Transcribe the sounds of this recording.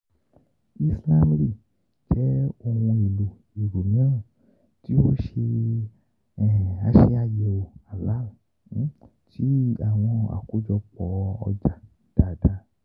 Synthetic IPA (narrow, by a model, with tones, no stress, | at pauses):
i˦slã˦mɾi˦˨ | d͡ʒɛ˦o˨wũ˧i˨lo˨ | i˨ɾo˨mĩ˦ã˦˨ | ti˦wo˦ʃe˧˨ | a˨ʃe˧a˨jɛ˨o˨a˨la˦o˨˦ | t͡ʃi˦a˨w̃ɔ̃˧a̰˨ko˦d͡ʒɔ˧k͡pɔ˨˦ɔ̰˧d͡ʒa˨ | d̥a˨da˦